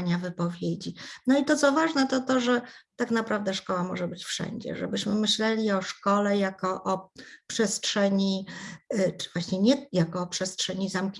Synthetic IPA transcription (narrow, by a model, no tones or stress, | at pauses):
ɲavɘpɔvʲjed͡ʑinɔit̪ɔt̪sɔvaʐnɛt̪ɔt̪ɔʐɛt̪akn̪apɾavd̪ɛʂkɔwamɔ̰ʐɛbɘt͡ɕfʂɛ̰ɲd͡ʑɛ̰ʐɛ̰bɘɕmɘmɘɕlɛlʲiɔʂkɔlɛjakɔʔɔpʂɛstʂɛɲi | t͡ʂvwaɕɲɛɲɛjakɔːpʂɛstʂɛɲizamk